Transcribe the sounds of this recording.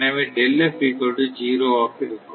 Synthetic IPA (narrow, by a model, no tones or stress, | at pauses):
nɐʋeɖɛlːɐfiːʈoɽɯd͡ʒiːɾoːaːpɪɾɯkːɯ